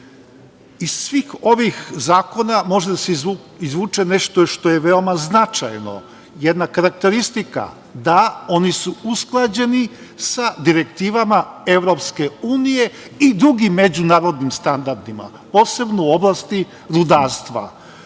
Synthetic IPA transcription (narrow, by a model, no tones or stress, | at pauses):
issʋiːxo̞ʋixzaːko̞namo̞ʒed̪aseu | izʋuːt͡ʃene̞ʃt̪oʃt̪o̞jeʋe̞o̞maznat͡ʃa̰jno̞̰ | jed̪nakaɾak̚t̪e̞ɾist̪ika̰ | d̪ao̞nisuusklˠad͡ʑe̞ni | sad̪iɾe̞kt̪iːʋamae̞ʋɾo̞pske̞uːnije̞ | id̪ɾuɡimːe̞d͡ʑunaːɾo̞d̪nimst̪and̪aɾd̪ima̰ | po̞ːse̞bnouo̞blˠast̪i | ɾud̪aːɾst̪ʋa̰